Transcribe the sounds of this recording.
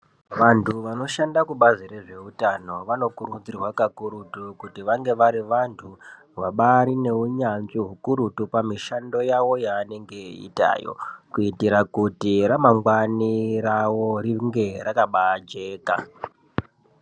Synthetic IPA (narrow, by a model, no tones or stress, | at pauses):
ʋantʰuʋano̞ʃandakuɓazire̞ʐe̞utano̞ʋano̞kuɾud͡zirwakakuɾutukutiʋaŋɡe̞ʋaɾiʋantʰu | waɓaɾine̞uɲanʐiɦukuɾutupamiʃando̞jawo̞jaːne̞ŋɡe̞ḭta̰ːjo̰kuitiɾakutiɾamaŋɡwaniɾawo̞riŋɡe̞rakaɓaːd͡ʒe̞ːka̰